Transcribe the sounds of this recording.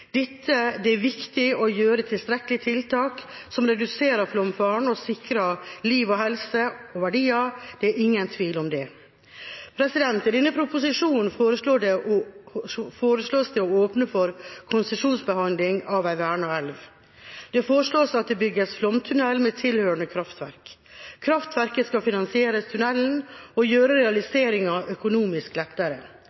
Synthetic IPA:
d̪̥ɪt̪ʰːəd̪ɛæɾʋɪkt̪ɪɔjøːɾət̪ʰɪlst̪ɾɛkəlɪt̪ʰɪlt̪ʰɑːksɔmɾɛd̪ʉseːɾəflɔmfɑːɳɔsɪkɾɑliːʋɔɦɛlsəɔʋæɖiːɑd̪̥ɛæɾʔɪŋːənt̪ʰʋiːlɔmd̪ɛ | pʰɾɛsɪd̪ɛnt̪ɪd̪ɛnːəpʰɾʊpʊsɪʂuːnn̩foːɾəʂloːɖɛ | foːɾəsloːst̪ʰɛɔoːpnəfɔɾkʰʊnsəʂuːnsbəhɑnd̪lɪŋɑʋæɪʋæːɳɑɛlʋ | d̪̥ɛfoːɾəʂɭoːsɑt̪̚d̪ɛbʏɡəsflɔmt̪ʰʉnɛlːmet̪ʰɪlhøːɾəɳəkʰɾɑft̪ʋæɾkkʰɾɑft̪ʋæɾkəskɑfɪnɑnsɪeːɾəst̪ʰʉnɛln̩ɔjøːɾəɾɛɑlɪseːɾɪŋɑʔœkʊnuːmɪsklɛt̪ːəɾə

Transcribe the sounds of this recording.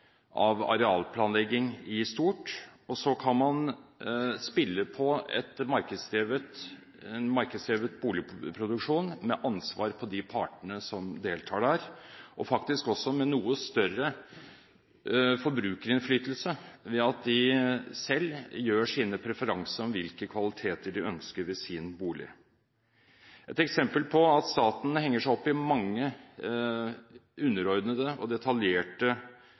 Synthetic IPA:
ʔɑʋɑ̰ɾɛɑːlpʰlɑːnlɛɡːɪŋɪst̪uːʈɔsɔkʰɑnmɑn | spɪlːəpʰɔɛ̰t̪mɑɾkəd̪seːʋət̪ | ɛnmɑɾkəd̪sɾɛːʋət̪buːlɪpʰɾʊd̪ʉkʂuːnmɛʔɑnsʋɑ̰ːɾpʰɔd̪ɪpʰɑːʈəɳəsɔmd̪eːlt̪ʰɑːɖæːɾʔɔfɑkt̪ɪskɔsːɔmɛnuːəst̪œɾə | fɔɾbɾʉːkəɾɪnflyːt̪əlsəʋɛɑt̪̚d̪ɪsɛlːjøːʂiːnəpʰɾɛfəɾɑŋsəɾɔmʋɪlkəkʰʋɑlɪt̪ʰeːt̪əɖɪœnskəɾʋɪsɪːnbuːlɪ̰ | ʔɛt̪ɛksɛmpəlpʰɔɑt̪st̪ɑːt̪n̩hɛŋːəʂæɪɔpːɪmɑŋːə | ʉnːəɾɔɾd̪nəd̪əɔd̪ɛt̪ʰɑljeːʈə

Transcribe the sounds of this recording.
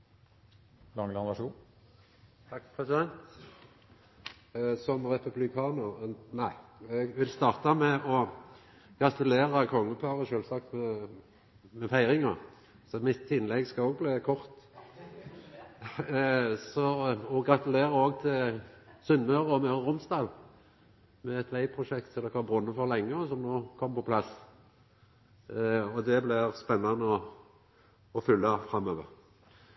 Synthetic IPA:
lɑŋːlɑʁnæʂuːn | t̪ʰɑkːpʰʁɛsɪd̪ɛnt̪ | sɔmʁɛpʉblɪkʰɑːnəɾnæɪɛɡʋɪlst̪ɑːʁt̪ɑmɛʔɔ | ɡ̥ɑt̪ʉleːʁəkʰɔŋːəpʰɑʁəʃøːlsɑk̚t̪mɛ | mɛfæɪʁɪŋɑ̰ | sɔmɪt̪ɪnlɛɡskɑoːɡ̚bliːkʰɔʁt̪ | sɔɔɡʁɑt̪ʉleːʁəoːɡt̪ʰɪlsʏnmœʁəɔmœʁəʁʊmsd̪ɑːl | mɛɛt̪ʰʋæɪpʰʁʊʃɛkt̪sɔd̪ɔkʋɑbʁʊnːəfɔʁlɛŋːəɔsɔmnoːkʰɔmpɔpʰlɑs | ɔd̪ɛblɪspɛnːɑnəɔ | ɔfʏlːɑfɾɑmːøːʋəʁ

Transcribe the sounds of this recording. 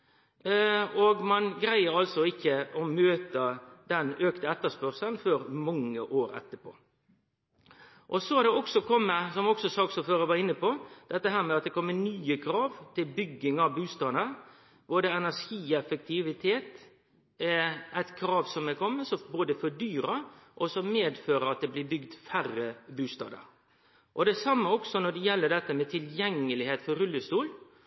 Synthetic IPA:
ɔɡmɑnɡɾæɪəɾɑlsɔɪçːəɔmøːt̪əd̪̥ɛnøːkt̪əɛt̪ːəspœɾsənføːɾmɑŋːəʔoːɾɛ̰t̪ːəpʰo̰ː | ʔɔsɔæd̪ɛɔksɔkʰɔmːəsɔmɔksɔsɑːksɔføːɾəʋɑːɪnːəpɔd̪̥ɛt̪ːəɦæːɾmɛɑt̪̚d̪ɛkʰɔmːənyːəkʰɾɑːʋt̪ʰɪlbʏɡːɪŋɑʋbʉːst̪ɑnə | boːd̪əɛnæʂiːɛfək̚t̪ʰɪʋɪt̪ʰeːt̪ | ʔæɪt̪kʰɾɑːʋsɔmɛkʰɔmːəsɔboːd̪əfɔɖ̪yːɾɑʔɔsɔmeːd̪føːɾəɑt̪̚d̪ɛblɪbʏɡd̪færəbʉːst̪ɑ̰ːd̪ə̰ɾ | ʔɔd̪ɛsɑmːəɔksɔnɔɖɛjɛlːəɖ̪ɛt̪ːəmɛt̪ʰɪljɛŋːəlɪheːt̪fɔɾʉlːəst̪uːl

